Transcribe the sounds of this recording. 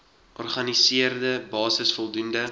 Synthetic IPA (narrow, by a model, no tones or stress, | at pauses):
ʔɔrχɐnisiərdəbɑːsəsfɔlˠdundə